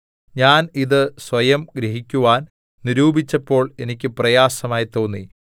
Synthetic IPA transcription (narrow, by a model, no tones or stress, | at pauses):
ɲaːniðɨsʋɐjɐmɡɾiɦikʲːuʋaːn | niɾuːbit͡ɕːɐpːo̞ːɭe̞nikʲːɨprɐjaːsɐmaːjit̪o̞ːnːḭ